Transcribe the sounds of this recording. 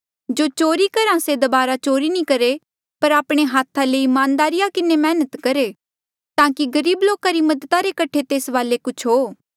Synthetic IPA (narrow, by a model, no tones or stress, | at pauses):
d͡ʒoːt͡ʃoːɾikɐɾãsed̪ɐbaːɾat͡ʃoːɾinĩkɐɾe | pɐɾaːpɽ̃eɦaːt̪ʰaleimaːnd̪aːɾɪjakɪnemɛːnət̪kɐɾe | t̪aːkiɡɐɾiːbloːkaɾimɐd̪ət̪aɾekɐʈʰet̪eːsʋaːlekʊt͡ʃʰɦoː